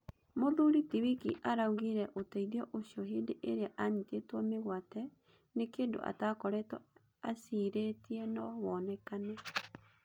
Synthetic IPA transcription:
moðuɾitiβikiʔaɾauɣiɾɛʔotaiðiɔʔoɕjɔɦeːndeʔeɾeaʔaɲitetwɔmeɣwatɛ | nekeːndo̰ʔa̰takɔɾɛtwɔ | asiɾetiɛnɔwɔnɛkanɛ

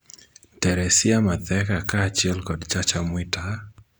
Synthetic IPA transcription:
tɛɾɛsɪamat̪ɛkakaːt͡ʃɪɛlkɔdt͡ʃat͡ʃamwɪtʰa

